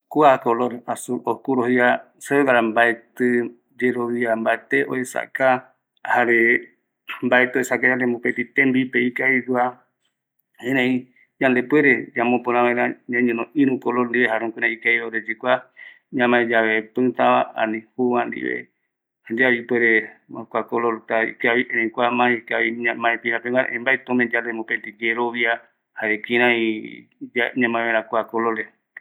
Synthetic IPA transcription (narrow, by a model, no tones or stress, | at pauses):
kuakoloɾasuokuɾohia | seed̪aɾambaet̪ɨ | d͡ʒeɾoʋiambaet̪eʔo̰esa̰ka | haɾe | mbaet̪ɨoesakad͡ʒand̪embopet̪it̪ẽmbipeikaidua | hẽɾẽĩ | ɲãnd̪epweɾed͡ʒãmõpõɾ̃ãβãẽɾãɲãɲẽnõʔĩɾũkoloɾnd̪iβeɦaɾõŋkuɾeikaieoɾed͡ʒikʷa | ɲãmãẽd͡ʒaβepɨ̃t̪ãβãʔã̰nĩhuwãnd̪ḭβḛ | hand̪iaβipweɾemakʷakoloɾt̪aḭkaβiʔeɾẽĩkʷamãikaβiamãẽpĩɾãpẽmãna̰ʔẽmbaet̪õmẽd͡ʒanld̪emõpent̪iɡeɾoβia | haekĩɾ̃ãĩ | aɲãmããɾãkʷakolole